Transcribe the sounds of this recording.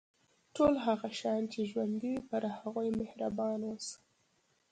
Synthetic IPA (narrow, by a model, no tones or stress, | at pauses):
ʈolɦaɣaʃɑjnt͡ʃeʒwand̪iwipəɾhaɣojmehɾabɑnwəs